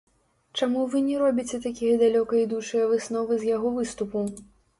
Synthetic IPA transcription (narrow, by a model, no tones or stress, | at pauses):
t͡ʂamuvɨnʲɛɾɔbʲit͡sʲɛt̪akʲijɐd̪alʲɔkɐid̪ut͡ʂɨjɐvɨsnɔvɨzjaɣɔvɨst̪upu